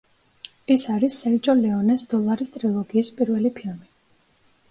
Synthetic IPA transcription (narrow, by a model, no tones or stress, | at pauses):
ɛsaɾisːɛɾd͡ʒʼɔlɛɔnɛsd̪̥ɔlˠaɾist̪ʼɾilˠɔɡiːspʼiɾvɛlipʰilˠmi